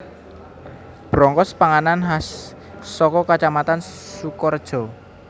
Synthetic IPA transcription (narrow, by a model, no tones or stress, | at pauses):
b̥ɾɔŋkɔspaŋananɦas | sɔkɔkat͡ʃamat̪ansukɔrd̥ʒ̥ɔ̤